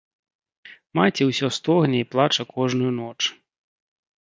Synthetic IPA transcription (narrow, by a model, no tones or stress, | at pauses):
mat͡sʲiwsʲɔst̪ɔɣnʲɐiplˠat͡ʂɐkɔʐnʊjunɔt͡ʂ